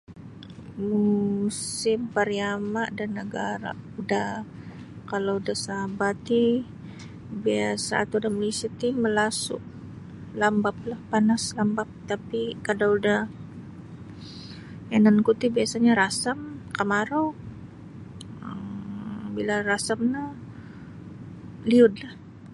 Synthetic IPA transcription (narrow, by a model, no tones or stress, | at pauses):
musɪmpaɾiamaʔdanːəɡaɾa̰uda | kalaudahsabat̪i | biasa̰ːt̪audaməlisat̪iməlasʊ̰ʔ | lambap̚lahpanaslambap̚t̪apikadawudah | anankut̪ibiasaɲaɾasamkamaɾo | ə | bilarasamna | liʊt̪̚lah